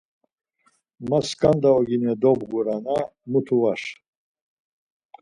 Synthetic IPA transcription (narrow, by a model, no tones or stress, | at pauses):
maskʼand̪aɔɡinɛd̪ɔbɡuɾanamut̪ʰuvaʃ